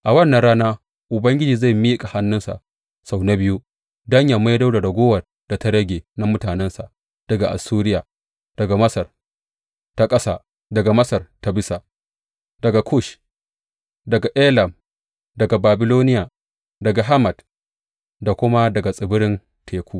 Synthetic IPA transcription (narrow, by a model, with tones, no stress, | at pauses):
ʔa˨wɐ˦˨nːɐ˨nɽaː˦naː˦ | ʔʊ˨bɐ˦ŋɡʲɪ˦d͡ʒiː˨za˦˨miː˦kʼa˨ha˦nːʊ˦nsa̰˨ʔ | sa˨wna˦bɪ˦ju˦ | dɐ˦ɲja˨ma˦jda˦wda˨ɽɐ˨ɡʷoː˦wɐ˨r | d̥a˨ta˦ɽɐ˦ɡʲeː˨na˦mʊ˦taː˨nɛ˦nsa̰˨ʔ | d̥ɐ˨ɡa˨ʔa̰˨suː˦ɾɪ˦jaː˨ | d̥ɐ˨ɡa˨mɐ˦sɐ˨r | ta˦kʼɐ˦sa̰ː˦ | dɐ˨ɡa˨mɐ˦sɐ˨rta˦bɪ˦sa˨ | d̥ɐ˨ɡa˨kʰu˦˨ʃ | dɐ˨ɡa˨ʔeː˦lɐ˨m | dɐ˨ɡa˨baː˨bɪ˨loː˦nɪ˦jaː˨ | dɐ˨ɡa˨ɦa˦mɐ˨d | da˨kʷʊ˦ma˦dɐ˨ɡa˨sʼɪ˨bʊ˦ɾɪ˦n | tʰeː˨kʷuː˦